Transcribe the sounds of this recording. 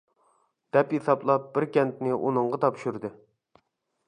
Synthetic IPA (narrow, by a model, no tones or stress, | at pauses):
d̪̥ɛpjesɑplˠɑp̚bɪɾkʲɛnt̪nɪʔunɨɴʁɑt̪ʰɑpʃyɾd̪ɨ